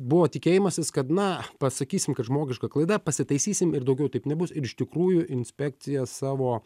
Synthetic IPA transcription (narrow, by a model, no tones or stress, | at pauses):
bʊʋoːt̪ʲɪkʲeːjɪmɐsʲɪskɐt̪nɐpɐsɐkʲiːsʲɪmkɐt̪ʒmoːɡʲɪʃkɐklˠɐɪd̪ɐpɐsʲɪt̪ɐɪsʲiːsʲɪmɪɾd̪ɐʊɡʲɛʊt̪ɐɪpnʲɛbʊsɪɾɪʃt̪ʲɪkɾuːjʊʔɪnʲsʲpʲæk̚t̪sʲɪjɛsɑːʋoː